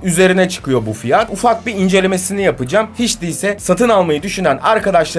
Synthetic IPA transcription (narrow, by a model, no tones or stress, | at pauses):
yze̞ɾinɛt͡ʃʰɯ̥kɯjo̞bufijat̪ufak̚biind͡ʒe̞lʲe̞me̞sinijapɯd͡ʒaːmhit͡ʃd̪iisɛssat̪ɯnalˠmajɯd̪yʃynænaɾkad̪aʃlˠa